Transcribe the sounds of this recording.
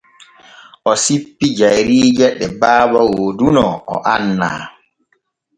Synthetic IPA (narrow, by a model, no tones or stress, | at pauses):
ʔɔsipːid͡ʒajɾiːd͡ʒɛɗːɛbaːbawodunɔɔ̰ʔanːa̰ː